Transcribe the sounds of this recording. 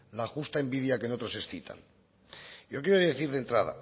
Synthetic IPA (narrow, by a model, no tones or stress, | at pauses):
laxust̪ae̞mbiðjake̞not̪ɾo̞se̞sθit̪ʰa̰n | jok̬jeɾoðeθiɾðe̞nt̪ɾaða̰